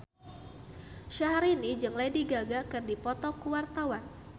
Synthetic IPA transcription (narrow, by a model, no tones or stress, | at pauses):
ʃaɦaɾinid͡ʒəŋlajdiɡaɡakɨrdipɔt̪ɔkuwart̪awan